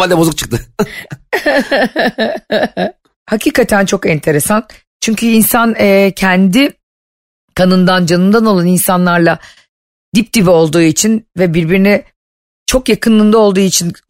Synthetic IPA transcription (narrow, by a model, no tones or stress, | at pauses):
alʲd̪ɛbo̞zuk̚t͡ʃʰɯ̥k̚t̪ɯ | hacʰiːkʰat̪ʰænt͡ʃʰo̞kɛnt̪ʰe̞ɾe̞san | t͡ʃʰyɲcʰyinsanɛcʰɛnd̪i | kʰanɯnd̪and͡ʒanɯnd̪ano̞lˠaninsanlˠaɾlˠa | d̪ip̚d̪̥ivɛo̞lˠd̪uːit͡ʃʰinvɛbiɾbiɾinɛ | t͡ʃʰo̞kjakʰɯnlˠɯnd̪ˠao̞lˠd̪uːit͡ʃʰin